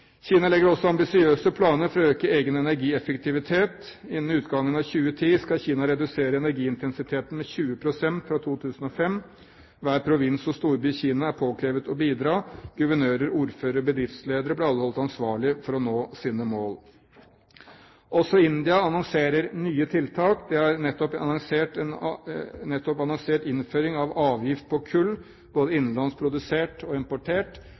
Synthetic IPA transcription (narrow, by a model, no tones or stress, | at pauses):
çiːnɑlɛɡəɾɔsːɔɑmbɪsɪøːsəpʰlɑːnəɾfɔɾɑøːkəeːɡənɛnæɾɡiːɛfəkt̪ʰɪʋɪt̪ʰeːt̪ɪnn̩ʉːt̪ɡɑŋːənɑʋçʉːət̪ʰiːskɑlçiːnɑɾɛd̪ʉseːɾəɛnæɾɡiːɪnt̪ʰɛnsɪt̪ʰeːt̪ən̩mɛçʉːəpʰɾʊsɛnt̪fɾɑt̪ʰuːt̪ʰʉːsn̩ɔfɛm | ʋæːɾpʰɾʊʋɪnsɔst̪uːɾbyːçiːnɑæɾpʰoːkʰɾeːʋət̪ɔbiːd̪ɾɑːɡ̥ʉʋəɳøːɾəɾuːɾføːɾəɾɔbəd̪ɾɪft̪sleːd̪əɾəblɛɑlːəhɔlt̪ɑnsʋɑːɭɪfɔɾɔnoːsiːnəmoːl | ʔɔsɔɪnd̪ɪɑɑnɔŋseːɾəɾnyːət̪ʰɪlt̪ʰɑːkd̪ɛɑɾnɛt̪ːɔpɑ̰nɔŋseːʈɛnnɛt̪ːɔpɑnɔŋseːʈɪnføːɾɪŋɑʋɑːʋjɪft̪̚pʰɔkʰʉlː | boːd̪əɪnːn̩lɑnspʰɾʊd̪ʉseːʈɔɪmpʊʈʰeːʈ